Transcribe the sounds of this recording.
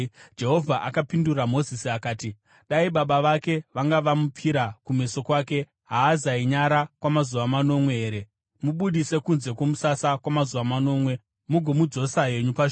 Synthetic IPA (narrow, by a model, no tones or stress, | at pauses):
d͡ʒe̞ɦo̞vʱaʔakapinduramo̞zisiakaːti | ɗaiɓaɓaʋake̞ʋaŋɡaʋamup͡fiɾakume̞so̞kwaːke̞ | ɦaːzaiɲaɾakwamazuʋamano̞mwe̞ɦeːɾe̞ | muɓuɗise̞kunze̞kwo̞musasakwamazuʋamano̞ːmwe̞ | muɡʱo̞mud͡zo̞saɦe̞ɲupaʃ